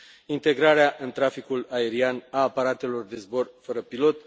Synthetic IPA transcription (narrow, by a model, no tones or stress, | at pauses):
int̪e̞ɡɾaɾeaʔɨnt̪ɾafikulae̞ɾianaːpaɾat̪e̞lo̞rd̪e̞zbo̞rfəɾəpilo̞t̪